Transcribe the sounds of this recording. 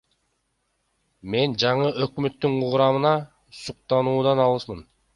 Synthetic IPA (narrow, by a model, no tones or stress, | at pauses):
me̞nd͡ʒɑɴɯʔø̞kmøt̪ːyɴuʁɾɑmɯnɑ | suq̚t̪ɑnuːd̪ɑnɑlˠɯsmɯn